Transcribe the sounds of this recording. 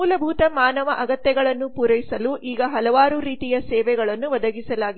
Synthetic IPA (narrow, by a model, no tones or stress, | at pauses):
uːlɐbʱuːt̪ɐmaːnɐʋɐʔɐɡɐt̪jɛɡɐɭɐnːupuɾɐjisɐluʔʔiːɡɐɦɐlɐʋaːɾuɾiːt̪ijɐsɛːʋɛɡɐɭɐnːuʋɐd̪ʱɐɡisɐlaːɡi